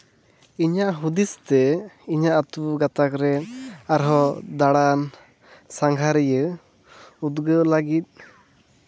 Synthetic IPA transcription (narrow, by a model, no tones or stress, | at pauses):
iɲaʔɦud̪ist̪ɛiɲaʔat̪uɡat̪akɾɛaɾɦɔd̪aɽan | saŋɡʱaɾɛjə | ud̪ɡəlaɡit̪̚